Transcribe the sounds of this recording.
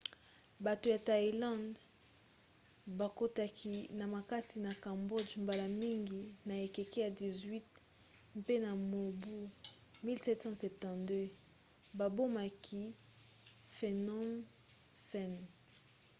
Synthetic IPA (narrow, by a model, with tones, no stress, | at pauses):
ba˨to˨ja˨ta˨i˨lɑ̃˦nd | ba˨ko˦ta˨kʰi˨na˨ma˨ka˦si˨na˨kã˨mbɔ˦d͡ʒmba˨la˨mi˦ŋɡi˨na˨e˨ke˨ke˦ja˨di˨zwi˦t̚ | mpe˦na˨mo˨bu˦ | mi˦lsɛ˦tsɑ̃˦sɛ˨p̚tɑ̃˨dø˦ | ba˨bo˦ma˨kʰi˦ | fe˨nɔ˦m | fɛ˦˨n